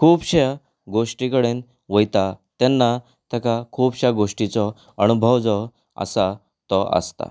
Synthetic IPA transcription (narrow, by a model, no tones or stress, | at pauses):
kʰuːbɕa | ɡoʂʈikəɽen | ʋəjt̪at̪ɛnːa | t̪ɛkakʰuːbɕaɡoʂʈit͡sɔ | ənubʱəʋd͡zɔ | ə̰sa | t̪ɔə̰st̪a̰